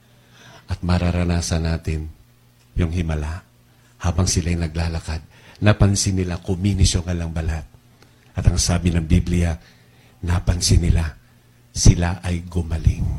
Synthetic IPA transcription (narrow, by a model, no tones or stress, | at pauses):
ʔɐt̪̚mɐɾaɾɐnaːsɐnaːt̪ɪn | jʊŋhɪmɐlaʔ | haːbɐŋsɪlajnɐɡ̚laːlɐkad̪̚nɐpɐnsɪnɪlakʊmiːnɪsjoŋɐlɐŋbɐlat̪̚ | ʔɐt̪ɐŋsaːbɪnɐŋbiblɪja | napɐnsɪnɪla | sɪlaʔɐjɡʊmɐlɪŋ